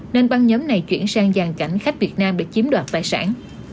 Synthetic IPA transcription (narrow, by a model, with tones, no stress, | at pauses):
ne˧nɓa˧nɲɔː˨˦mna˨˩jt͡ɕwḭ˧˩ənsaː˧ŋzaː˨˩ŋka˧˩jŋ̟xa˦˥jk̟̚vi˨˩ət̚naː˧mɗɨ̰˧˥t͡ɕi˨˦mɗwaː˨˩t̚t̪aː˨˩jsa̰ː˧˥n